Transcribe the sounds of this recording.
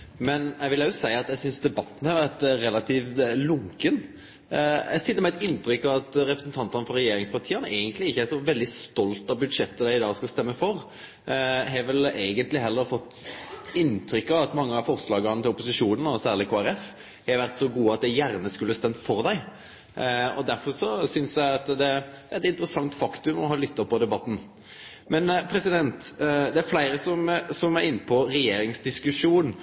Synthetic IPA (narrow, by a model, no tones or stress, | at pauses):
mɛnæʋɪljæʊsæɪɑt̪jæɪsʏnsd̪ɛbɑt̪ːn̩hɑɾʋæʁt̪ɾɛlːɑt̪ʰiːʋlʊŋkən | ɛ̰sɪt̪ːəmɛɛt̪ɪnːt̪ʰɾʏkːɑʋɑt̪ɾɛpɾəsən̩t̪ʰɑnt̪ɑnəfɔɾɛjeːɾɪŋspɑʁt̪ʰiːɑnəʔæɪɡənt̪lɪɪçːəæʂɔʋɛld̪ɪst̪ɔlt̪ɑbʉd̪ʂɛt̪ːəd̪æɪɪd̪ɑːskɑst̪ɛmːəfɔɾ | ɦɛʋɛleːɡənt̪lɪɦɛlːəɾfɔt̪ːɪnt̪ʰɾʏkːɑʋɑt̪mɑŋːəɑfɔʁslɑːɡəɑnət̪ɪlɔpʊsɪʂuːnənɔsæːʁlɪkʰoːæɾɛf | hɛʋæɾt̪sɔɡuːəɑt̪̚d̪æjæɾnəskʉlːəst̪ɛmt̪fɔɾd̪æɪ | ɔ̰d̪æɾfɔɾʂɔsʏnsjæɪɑt̪d̪ɛd̪̥ɛɛt̪ɪnt̪əɾəsɑŋt̪fɑkt̪ʉmɔɦɑːlʏt̪ːəpɔd̪ɛbɑt̪ːn̩ | mɛnpʰɾɛsɪd̪ɛnt̪d̪ɛæɾflæɪɾəsɔmsɔmæɾɪnːəpʰɔɾɛjeːɾɪŋsd̪ɪskʉʂuːn